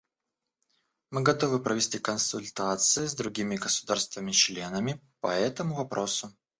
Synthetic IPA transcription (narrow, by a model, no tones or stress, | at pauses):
mɨɡɐt̪o̞vɨpɾʔəvʲɪsʲtʲikənsʊlʲt̪at̪sɨjɪzd̪ɾʊɡʲimʲɪɡəsʊd̪arst̪vʲəmʲɪt͡ɕlʲe̞nəmʲɪ | pɐɛt̪əmʊvɐpɾo̞sʊ